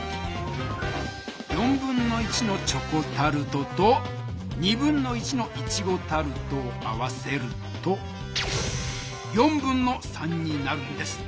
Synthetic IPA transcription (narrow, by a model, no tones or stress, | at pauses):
jõ̞mbɯ̟̃nːo̞it͡ɕino̞t͡ɕo̞ko̞t̪aɾɯ̟t̪ot̪o | ɲ̟ibɯ̟̃nːo̞it͡ɕino̞ʔit͡ɕiɡo̞t̪aɾɯ̟t̪o̞ːaβase̞ɾɯ̟ | t̪o | jõ̞mbɯ̟̃nːo̞sãɲːinaɾɯ̟̃nd̪e̞sɨ̥